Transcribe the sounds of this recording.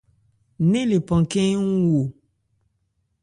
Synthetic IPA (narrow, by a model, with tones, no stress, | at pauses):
nẽ˦le˨pɔ̃˨kẽ˦ŋu˦wo˨